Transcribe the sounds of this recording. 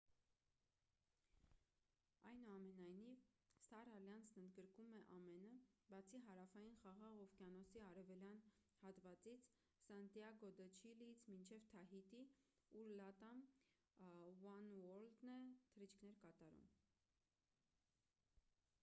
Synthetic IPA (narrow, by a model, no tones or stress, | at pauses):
ɑjnuɑmɛnɑjnivst̪ɑɾɑljɑnt͡sʰnənd̪ɡəɾkumɛʔɑmɛnəbɑt͡sʰiɦɑɾɑfɑjinχɑʁɑʁɔvkjɑnɔsiɑɾɛvɛljɑn | hɑt̪vɑt͡sit͡sʰ | sɑnt̪jɑɡɔd̪ət͡ʃʰiliit͡sʰmint͡ʃʰɛvt̪ʰɑɦit̪i | uɾlɑt̪ɑm | wɑnwɔɾld̪nɛt̪ʰəɾit͡ʃʰkʰnɛɾkɑt̪ɑɾṵm